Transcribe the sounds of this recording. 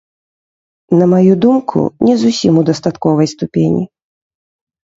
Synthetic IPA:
nɐmajud̪umkʰṵnʲɛzusʲimud̪ɐst̪at̪kɔvɐjst̪upʲenʲḭ

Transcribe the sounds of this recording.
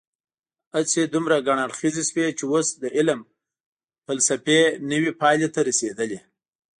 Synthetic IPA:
at͡sed̪umɾaɡaɳaɽxizeswet͡ʃewosd̪əʔɪlm | falsapenəwipɑjlet̪aɾased̪əle

